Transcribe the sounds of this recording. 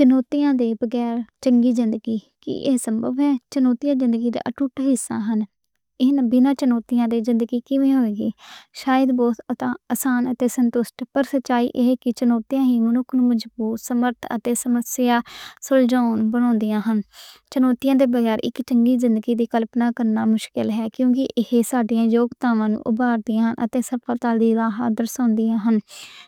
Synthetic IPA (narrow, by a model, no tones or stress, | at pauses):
t͡ʃənoːt̪ijãːd̪eːbəɡɛːɾt͡ʃəŋɡiːzɪnd̪əɡiːkḭːʔḛːsəmbə̰ʋɦɛːt͡ʃənoːt̪ɪjãːzɪnd̪əɡiːd̪a̰ːʔəʈuːʈɦɪsːã̰ːɦən | ɪnbɪnãːt͡ʃənoːt̪ɪjãːd̪eːzɪnd̪əɡiːkɪʋẽːɦoːeːɡiːʃaːjəd̪bɔːt̪ʰət̪ãːəsaːnət̪eːsənt̪ʊsʈpəɾsət̪ːt͡ʃaːḭːʔeɦeːkɪt͡ʃənoːt̪ijãːɦiːmənʊkʰnũːməd͡ʒbuːt̪səməɾt̪ʰə̰t̪eːsəməsɪjaːsʊld͡ʒaːnbəɽ̃ɔ̃ːnd̪ɪjãːɦənt͡ʃənoːt̪ɪjãːd̪eːbəɡɛːɾʔɪ̰kt͡ʃəŋɡiːzɪnd̪əɡiːd̪iːkəlpnaːkəɾnaːmʊʃkɪlɦɛːkjõːkɪʔɪheːsaːɖijãːjoːɡt̪aːʋãːnṵ̃ːʔʊbaːɾd̪ɪjãːɦənʔə̰t̪eːsəɾpʰaːt̪aːld̪iːɾaːɦaːd̪əɾsõːnd̪ɪjãːɦən